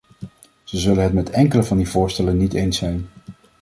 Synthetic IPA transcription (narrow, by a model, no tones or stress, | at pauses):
z̥əzɵlənɦətmɛtɛŋkələvɑndivʊːɹstɛlənːitejnsɛjn